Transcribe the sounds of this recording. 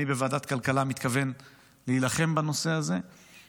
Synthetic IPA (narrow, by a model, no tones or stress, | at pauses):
ibevaːd̪at̪kalkalamit̪kave̞n | leilaχe̞mbano̞se̞aze̞